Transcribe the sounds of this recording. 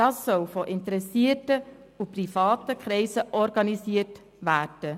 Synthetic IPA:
d̥ɑːsːɔlfoʔɪntəɾɛsiətə | uprifɑːtəkχɾɛɪsəʔɔɾɡɑnisiːəɾt | ʋæːrd̥ə

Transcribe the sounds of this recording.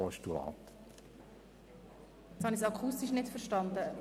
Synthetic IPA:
ɔʃtulɑ̰ːt̪ | jɛshɑnisɑkʰust̪iʃnɪtfəɾʃtɑnd̪ə

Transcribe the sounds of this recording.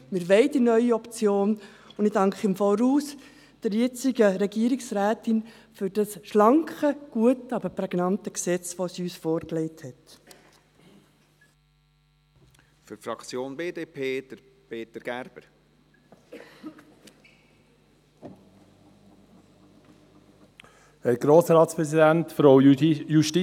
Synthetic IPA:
mɪɾʋɛɪdinœʏiɔpt͡sjoːn | ʊnɪdɑŋkχɪmfoːɾhuːs | d̥əɾjɛt͡sɪɡəɾɛɡiəɾɪksɾæːtɪn | fʏɾd̥ɑsʃlɑŋkχəɡ̥uətɑbəɾpɾɛɡnɑntəksɛt͡sʋosiyːsfoːɾklɛɪthɛt | fyɾfɾɑkt͡sjoːnbeːd̪eːpʰeːd̥əpeːt̪əɾɡ̥æɾb̥əɾ | hɛɾɡ̥ɾoːsɾɑːtspɾɛsidæntfɾoʊjuʃti

